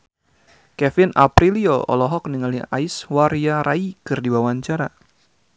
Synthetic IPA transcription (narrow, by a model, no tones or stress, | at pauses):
kɛfɪna̰pɾilioɔ̰lɔɦɔk̚niŋalia̰iswaɾiaɾaikɨrdiwawaɲt͡ʃaɾa